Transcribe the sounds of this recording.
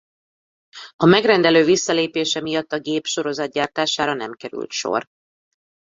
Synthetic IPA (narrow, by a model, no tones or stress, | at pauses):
ɒmɛɡrɛnd̪ɛløːvisːɒleːpeːʃɛmijɒt̪ːɒɡeːpʃo̞ɾo̞zɒd̪̚ɟaːrt̪aːʃaːɾɒnɛ̰mkɛɾy̰lt̪ʃo̞̰r